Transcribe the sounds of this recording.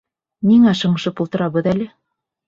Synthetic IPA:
niŋæʃɤ̆ɴ̆ʃɤpulˠt̪ɤ̆ɾɑβɤðælɘ

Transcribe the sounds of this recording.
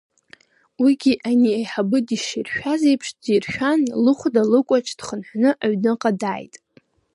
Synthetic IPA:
wiɡʲiʔaniejħabɨdiʃirʃᶣazejpʰʂdirʃᶣanlɨχʷdalɨkʷʼat͡ʃʰʼd̥χənħʷnɨʔaɥnɨqʼadaːjtʼ

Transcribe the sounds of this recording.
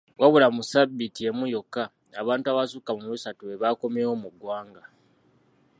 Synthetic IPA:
waβulamusabːitie̞mujo̞kːa | aβaːntuaβasukamumuusatuβe̞βako̞mewo̞muɡwaːŋɡa

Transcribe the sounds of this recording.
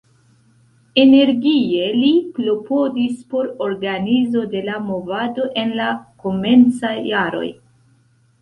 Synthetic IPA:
e̞ne̞ɾɡie̞lipɾo̞po̞dispo̞ɾo̞ɾɡanizo̞de̞lamo̞vado̞ʔe̞nlako̞me̞nt͡sajːaɾo̞̰j

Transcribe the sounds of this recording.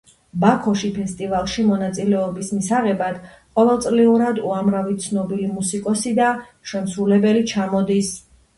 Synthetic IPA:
bakʰɔʃipʰɛst̪ʼivalˠʃimɔnat̪sʼilɛɔbismisaʁɛbad̪̥ | qʼɔvɛlˠt̪sʼliuɾad̪uamɾavit̪sʰnɔbilimusikʼɔsid̪aʃɛmsɾulɛbɛlit͡ʃʰamɔd̪is

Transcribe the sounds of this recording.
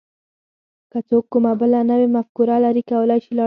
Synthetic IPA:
kət͡sokːʊmabəlanəwemafkuɾalaɾikawəlɑjʃilɑ

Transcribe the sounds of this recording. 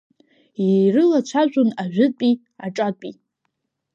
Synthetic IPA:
irɨlat͡ʃʷʰaʒʷʼʊnaʒᶣʊpʼi | aʈ͡ʂʼapʷʼi

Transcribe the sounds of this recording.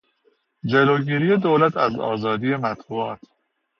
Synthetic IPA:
d͡ʒe̞loɟiːɾiːje̞d̪oːlæt̪ʰæzɒ̰ːzɒːd̪ije̞mæt̪buːɒːt̪ʰ

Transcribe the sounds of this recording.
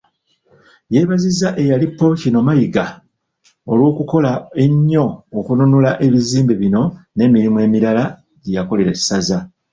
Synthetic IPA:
je̞ːβazizaʔe̞jalipːo̞cino̞majiɡa | o̞lwo̞ːkuko̞lae̞ɲːo̞ːkununulaʔe̞βiziːmbeβino̞ne̞ːmiɾimuwe̞ːmiɾala | ɟejako̞le̞ɾe̥saza

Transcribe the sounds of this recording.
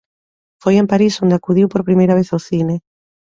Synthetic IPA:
fojempaɾisond̪eakuðiwpoɾpɾimejɾaβ̞eθawθine

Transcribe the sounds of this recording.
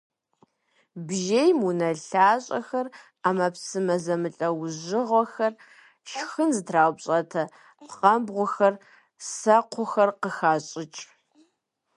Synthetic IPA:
bʒejmunɐɬaːɕʼɐ̰xɐr | aːmɐpsɨmɐzɐmɨɬʼɐwʑɪʁʷɔxɐr | ʃxɨnzɨtʰraːwpɕʼɐtʰɐ | pχɐmbʁʷʊxɐr | sɐqʷʊxɐrqəxaːɕʼɪt͡ʃʼ

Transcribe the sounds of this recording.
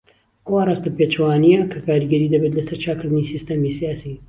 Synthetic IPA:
ʔɐwaraːst̪ɐpeːt͡ʃɐwaːnijɐkʰɐkaːɾiɡɐɾiːd̪ɐbet̪lɐsɐɾt͡ʃʰaːkɨɾd̪ɨnisist̪ɐmisijaːsi

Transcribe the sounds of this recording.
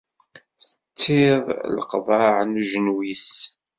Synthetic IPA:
θət͡sːɪðˤlqðˤɑʕnuʒənwis

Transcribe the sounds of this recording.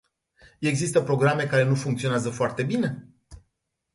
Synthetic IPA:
e̞ɡzist̪əpɾo̞ɡɾame̞kaɾe̞nufuŋkt̪sio̞neazəfoart̪e̞bine̞

